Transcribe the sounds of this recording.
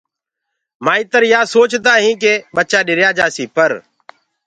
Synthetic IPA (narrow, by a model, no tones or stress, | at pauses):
maːĩːt̪əɾjaːsoːt͡ʃd̪aːɦĩːk̬eːɓət͡ʃaːɗɪɾjaːd͡ʒaːsiːpəɾ